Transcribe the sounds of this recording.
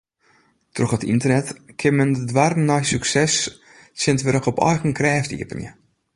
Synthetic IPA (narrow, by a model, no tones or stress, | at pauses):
troxətḭntərnɛtkʰɪmɛndədʋarnɔjsyksɛs | sɪntʋɪɾəkɔpɔ̰jxənkrɛːftḭəpənjə̰